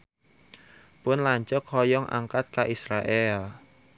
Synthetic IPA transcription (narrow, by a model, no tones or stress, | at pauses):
pʊnlaɲt͡ʃʊkhɔjɔŋʔa̰ŋkat̪̚kaʔisɾaʔɛl